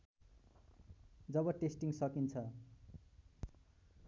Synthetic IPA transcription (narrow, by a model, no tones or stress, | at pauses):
d͡zʌbʌʈesʈiŋsʌkint͡sʰʌ